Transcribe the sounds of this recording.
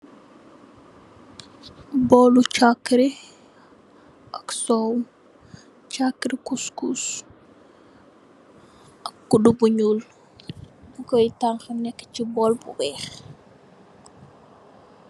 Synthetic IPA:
bɔlut͡ʃakːɾi | ʔɐksɔw | t͡ʃakːɾikuskus | ʔɐkːudubuɲul | bukɔjtaŋxənɛkːə̥t͡ʃibɔlbṵwɛx

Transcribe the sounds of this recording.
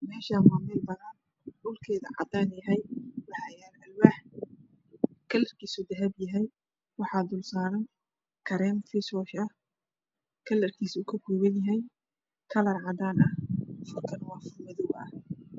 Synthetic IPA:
mɛːʃamaːmɛlbɐðɐn | ʊlkʰɛːðɐ̰ʕɑ̰d̪aːnjɐɦɛjwɑħɑjaːɾɐlwaːħ | kʰɐlɐrkʰiːsʊd̪ɐɦɛbjɐɦɛj | wɑħɑːd̪ʊlsaːɾɐn | kʰɐɾɛːmfɪsɔːʃɐh | kʰɐlɐrkʰiːsuːkʰɐkuːwɐnjɐɦɛj | kʰɐlɐrʕɑd̪aːnʔɐhfʊrkʰɐnwɑːfʊrmɐðʊwɐ̰h

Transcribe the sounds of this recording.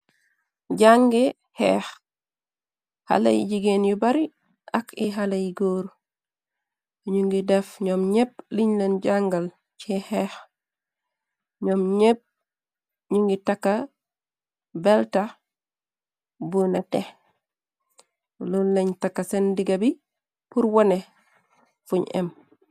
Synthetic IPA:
ɟaŋɡe | hɛ̰x | ha̰lɐ̰jɟiɡenjubɐɾi | ʔɐkʰiɦalɐjɡoːɾ | ɲuŋɡidefɲɔmɲep̚liɲlenɟaŋɡɐl | t͡ʃehex | ɲɔmɲep̚ | ɲuŋɡitakːa | belta | bunateh | lulleɲtakːasendiɡabi | puɾwone | fuɲḛm

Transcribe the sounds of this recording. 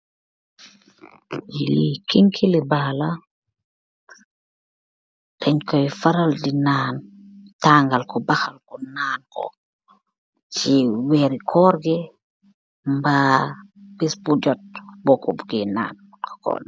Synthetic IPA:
jiikiŋkʰilibaːla | tʰɛɲkɔjfaɾaldinaːn | taːŋɡalkɔbaxalkɔnaːnkɔ̰ | t͡ʃiwɛɾikʰɔɾɡɛ | mba | bɛsbud͡ʒɔt̚bɔkɔbɡɛna̰ːn | kʰɔ̥kɔ̰ːn

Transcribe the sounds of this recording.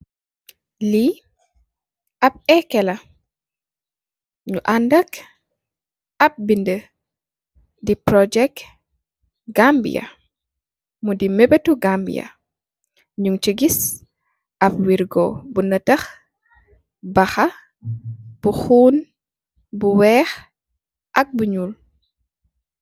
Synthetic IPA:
li | ɐp̚ɛkːɛlɐ | ɲuʔandɐk | ɐp̚bində | dipɾɔd͡ʒɛk̚ | ɡambḭjɐ̰ | mudimɛbətuɡambḭjɐ̰ | ɲuŋt͡ʃəɡis | ʔɐpwiɾɡɔbunətɐx | bɐxɐ | b̥uxuːn | buwɛːx | ʔɐk̚buɲuːl

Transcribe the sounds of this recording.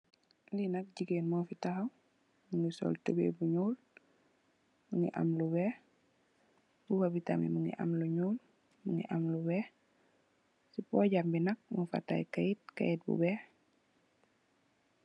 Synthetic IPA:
linɐk̚ɟiɡeːnmɔːfitaxɐw | muŋɡisɔ̰ːltəbḛbuɲuːl | muŋɡḭʔa̰mluwɛːh | buwabita̰mḭmuŋɡḭʔɐ̰mluɲuːl | muŋɡḭʔɐmluwɛː | sipɔɟambinɐk̚mufa̰tːa̰jkajit̚ka̰jit̚bṵbɛː

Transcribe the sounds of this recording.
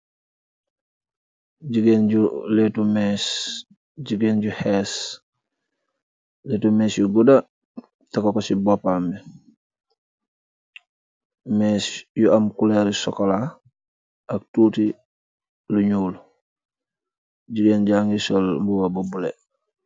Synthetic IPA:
ɟiɡenɟuletumes | ɟiɡeːnɟuheːs | leːtumeːsjuɡuda | takokosibopami | mesjuamkuleɾisɔ̰kola | ak̚tuːti | luɲuːl | ɟiɡeːnɟaŋɡisolmbuwabobulḛ

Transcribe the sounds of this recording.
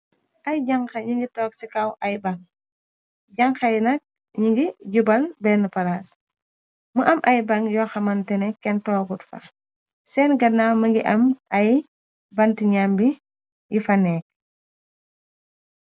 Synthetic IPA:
ʔɐjɟaŋxɐɲiŋɡitɔːksikawʔɐjbaŋ | ɟɐŋxɐjnɐk̚ | ɲiŋɡiɟubɐlbɛnəpɐlaːs | məʔɐmʔɐjbɐŋjɔːxɐmɐntɛnɛkːɛntɔːɡutfɐ̰ | sɛːnɡɐnːaːməŋɡiʔɐmʔɐj | bɐntiɲambi | jifɐnɛːk̚

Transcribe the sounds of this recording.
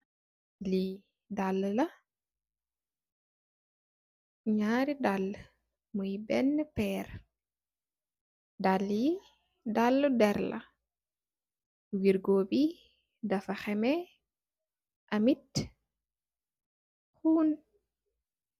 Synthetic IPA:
li | dalːəlɐ | ɲaːɾidalː | mujbɛnːəpɛːr | dalːi | dalːədɛɾlɐ̰ | wiɾɡoːbi | dɐfɐxɛmɛ | ʔɐmit | xuːn

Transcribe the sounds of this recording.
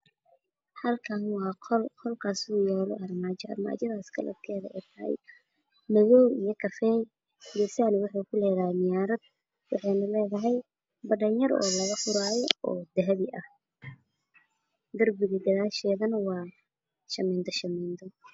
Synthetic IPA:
hɐlkʰanwɑːqʰɔlqʰɔlkʰaːsuːjaːlɔʔɐrmaːt͡ʃɛɐ̰rma̰ːt͡ʃɐðaːskʰɐ̰lɐ̰d̪kʰɛːðɐʔɛ̰ːt̪ʰɐhɛ̰j | mɐɣɔːwijɔkʰɐfɛːj | jɛsaːnɪwʊħuːkʰʊlɛːɣɐnɪjaːɾɐd̪̚ | wɑħɑjnɐlɛːðɐɦɛj | bɐɖɐnjɐɾɔ̰ːlɐɣɐfʊɾaːjɔʔɔːd̪ɐɦɐβɪʔɐh | ɡɐrbɪɣɪd̪ɐðaːʃɛːðɐnɐwɑː | ʃɐmɛːnd̪ʰɐʃɐmɛːnd̪ʰɔ

